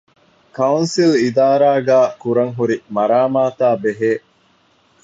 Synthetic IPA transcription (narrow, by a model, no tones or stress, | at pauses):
kɐunsilid̪aːɾaːɡæːkuɾɐŋɦuɾimɐɾaːmaːt̪aːbeɦeː